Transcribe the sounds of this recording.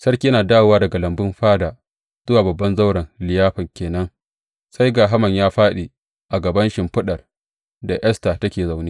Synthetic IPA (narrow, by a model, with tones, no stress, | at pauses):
sɐ˦rkʲiː˦jnaː˨daː˦wwaː˦dɐ˨ɡa˨lɐ˨mbɪ˦mɸaː˦da˨ | z̥ʊ˦waː˨bɐ˨bːɐ˦nza˦wɽɐ˨nlɪ˨jaː˦ɸɐ˨ŋkʲeː˨nɐ˦ŋ | sa˦jɡaː˨ɦa˦mɐ˨ɲjaː˦ɸaː˦ɗe˨ | ʔa˨ɡɐ˨bɐ˦nʃɪ˨mɸʊ˦ɗɐ˨r | da˨ʔɛ˦staː˨tɐ˦kʲeː˨za˨wneː˦